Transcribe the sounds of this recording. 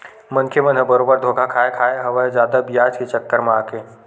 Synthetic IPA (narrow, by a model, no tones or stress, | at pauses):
mənkʰemə̃nɦəbəɾoːbəɾd̪ʱoːkʰakʰaːekʰaːeɦɐʋəd͡ʒaːd̪abijaːd͡ʒkit͡ʃəkːəɾmãaːkẽ